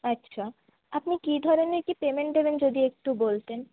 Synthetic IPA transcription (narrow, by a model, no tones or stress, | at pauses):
ɐtːɕʰa | apnikid̪ʱɔɾoneɾkipemeɳʈ̚d̪ebend͡ʑod̪iek̚ʈubolt̪en